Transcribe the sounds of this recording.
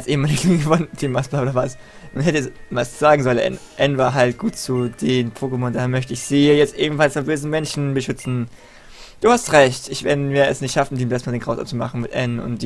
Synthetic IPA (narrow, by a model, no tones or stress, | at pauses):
asʔeːəmaːlɪçə̥iːŋɡəvɔnəd̥iːmasb̥aːoːdɐvas | nʊnɦɛtəɛsmasz̥aːɡŋ̩zɔlənʔɛ̰n | ʔɛnvaːɐɦaltɡ̥uːtt͡sud̥eːnpʰoːkəmʊndaːhɛɐmœçtəɪçz̥iːjɛt͡stʔeːbm̩falsfabøːzn̩mɛnʃn̩bəʃʏt͡sn̩ | d̥uːhastʁɛçtɪçvɛnnviːɐɛ̰snɪçtʃafn̩diːmbɛstmaːdeːnɡʁaʊsʔa̰ft͡suma̰χn̩mɪtʔɛnʊ̰ntd̥i